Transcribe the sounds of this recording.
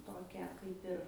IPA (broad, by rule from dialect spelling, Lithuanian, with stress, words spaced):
ˈtoːkʲæː ˈkɐɪp ɪr